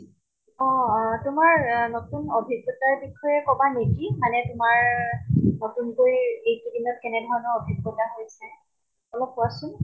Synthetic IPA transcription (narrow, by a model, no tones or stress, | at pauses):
ɔ̃tʊmaɹnɔtunobʱiɡːɔtaɹbikʰɔjɛkɔbanekimanɛtʊmaɹ | nɔtunkoɹiejkidinɔt̚kɛnɛdʱɔɹɔnɔobʱiɡːɔtaɦojsɛ | ɔlɔpːʊasʊn